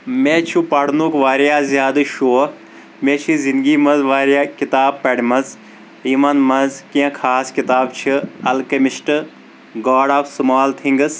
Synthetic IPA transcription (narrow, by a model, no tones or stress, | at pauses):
mẽːt͡ʃʰupɐɽ̤nuːkʋaːɾjaːzjaːd̪ɨʃoː | mẽːt͡ʃʰizĩnd̪ɡiːmɐzʋaːɾjaːkɪt̪aːb̚pɐɽmɐz | iːmɐnmɐzkijãkʰaːskit̪aːb̚t͡ʃʰiɐlkɐmɪʃʈ | ɡaːɖaːfsmaːlt̪ʰĩŋɡəs